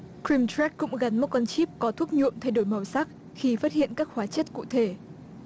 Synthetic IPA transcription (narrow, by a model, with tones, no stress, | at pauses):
kɹi˧mt̪ɹɛ˦˥kːʊ̰˧˥ŋ͡mɣa˨˦nmo˨˦˥t̚kɔ˧nt͡ɕi˦˥p̚kɔ˨˦t̪ʰu˦˥əp̚ɲṵ˧˨əmt̪ʰa˧jɗo˧˩jmə˨˩wsaː˦˥k̚ | xi˧faː˦˥t̚hḭ˧˨ənkaː˦˥k̚xwaː˨˦t͡ɕə˦˥t̚kṵ˧˨t̪ʰe˧˩